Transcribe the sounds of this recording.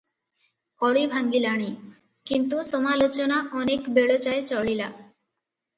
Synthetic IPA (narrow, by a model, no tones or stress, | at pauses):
kɔɽibʱaŋɡilaɽ̃i | kint̪usɔmalot͡ʃonaʔɔnekbeɭot͡ʃaet͡ʃɔɭila̰